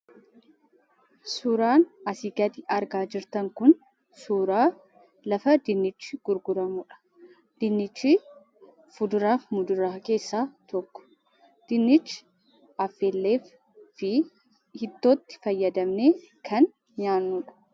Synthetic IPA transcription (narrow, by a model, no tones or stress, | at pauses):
suːɾaːnɐsiɡɐd̪ɪɐɾɡaːd͡ʒɪɾt̪ɐŋkʊn | suːɾaː | lɐfɐd̪ɪnːɪt͡ʃːɪɡ̥ʊɾɡʊɾɐmʊᶑɐ̥ | d̪̥ɪnːɪt͡ʃːɪ | fʊd̪ʊɾaːfmʊd̪ʊɾaːke̞ːsːaːt̪ɔkːɔ̥ | d̪̥ɪnːɪt͡ʃːɪ̥ | ɐfːelːeːf | ɪ | hɪt̪ːo̞ːt̪ːɪ̥fɐjːɐd̪ɐmneː | kʰɐn | ɲaːnːuᶑɐ̥